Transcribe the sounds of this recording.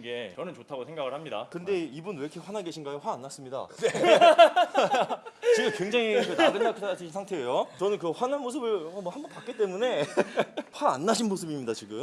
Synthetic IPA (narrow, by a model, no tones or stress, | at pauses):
ɡet͡ɕʌnɯnt͡ɕotʰaɡosʰeŋɡaɡɯɭhamɲida̰kɯnde̞ibunwekʰeɸwanaɡe̞ɕʰinɡaoɸwaːnːas͈ɯmɲida̰ne | t͡ɕiɡɯmkweŋd͡ʑaŋikɯnaɡɯnndakʰɯat͡ɕʰiɕʰinsʰaŋtʰe̞ejot͡ɕʌnɯnkɯɸwananmos̬ʰɯbɯɭmʌhambʌnpak͈it͈e̞mune̞ | ɸwaːnːaɕʰinmosʰɯbimɲidat͡ɕiɡɯm